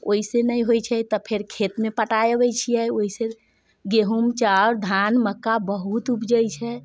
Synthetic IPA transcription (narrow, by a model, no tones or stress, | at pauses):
oisenəjɦojt͡ʃʰɛt̪ɔpʰeɾkʰet̪mepəʈajebɛjt͡ʃʰijɛjoise | ɡeɦumt͡ʃaɾd̪ʱanməkːabəɦut̪upd͡ʒəjt͡ʃʰɛ